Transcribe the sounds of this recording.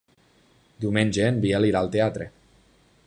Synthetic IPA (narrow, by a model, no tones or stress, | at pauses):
d̪iumẽnʲd͡ʒeːnbieliɾalˠt̪eat̪ɾe